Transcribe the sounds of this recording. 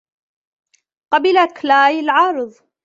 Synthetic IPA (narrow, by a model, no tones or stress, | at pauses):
qɑbɪlaklaːjɪlʕɑːɾɨðˤ